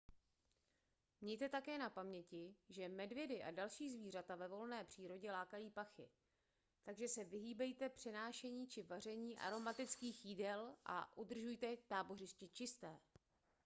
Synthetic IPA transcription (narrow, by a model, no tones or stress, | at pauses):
mɲɛjt̪ɛt̪akɛːnapamɲɛcɪʒɛmɛdvjɛdɪʔa̰dalʃiːzviːr̝at̪avɛvo̞lnɛːpr̝̥iːɾo̞ɟɛlaːkajiːpaxɪ̰ | t̪aɡʒɛsɛvɪɦiːbɛjt̪ɛpr̝̥ɛnaːʃɛɲiːt͡ʃɪvar̝ɛɲiːʔa̰ɾo̞mat̪ɪt͡skiːxjiːdɛlʔa̰ʔud̪r̩ʒujt̪ɛt̪aːbo̞rɪscɪt͡ʃɪst̪ɛː